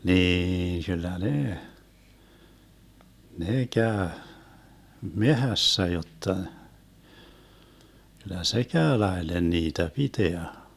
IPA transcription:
niːn kylˑæ neː neː kæø mehæsːæ jotːɑ kylˑæ se kæø lɑelen niːtæ piteæ

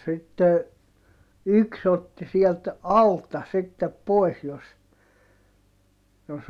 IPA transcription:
sitːe yks otːi siɛlt ɑltɑ sitːep poi̯s jos jos

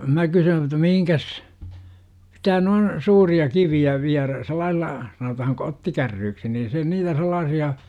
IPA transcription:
mæ kysyːn ĕtˑæ mihiŋkæs sitæ noin suːriɑ kiʋiæ ʋiæræ selˑɑilːɑ sɑnotɑhɑŋ kotːikærːyːksi nin se niːtæ selˑɑːsiɑ

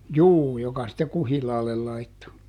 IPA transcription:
juː jokɑ sitːe kuhilɑːlːel lɑitːo

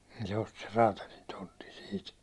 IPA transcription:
niːn se osti ser rɑːtɑlin tontin̞ siːt

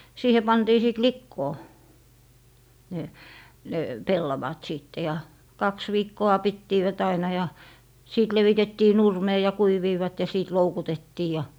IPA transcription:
siːhe pɑntiː siˑt likːoː ne ne pelːɑʋɑt siˑtːe jɑ kɑks ʋiːkːoɑ pitːiːʋæt ɑinɑ jɑ siˑt leʋitetːiː nurmeː jɑ kuiʋiːʋɑt jɑ siˑt loukutetːiː jɑ

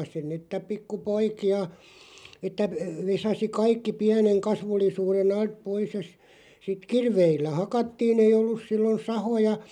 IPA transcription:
sin ni etːæ pikːupoikiɑ etːæ ʋe ʋesɑsi kɑikːi piæneŋ kɑsʋulːisuːren ɑlt pois jɑ s sit kirʋeilːæ hɑkɑtːiːn ei olːus silːon sɑhojɑ

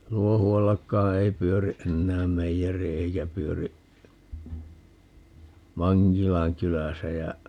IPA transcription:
luohuɑlːɑkːɑː ei pyøri ʔenːæːm meijeri eikæ pyøri mɑŋkilɑŋ kylæsæ jæ

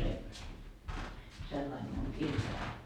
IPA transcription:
se selːɑim miuŋ kirjɑi

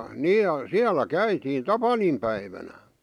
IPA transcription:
niːj̆ jɑ siælæ kæitiːn tɑpɑnimpæiʋænæ

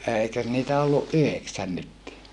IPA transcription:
eˑikøs niːtæ olːuʔ ʔyheksæn nytːiː

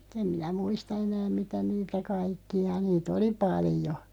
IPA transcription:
em minæ muistɑ enæːm̆ mitæ niːtæ kɑikːiɑ niːt oli pɑlĭjo

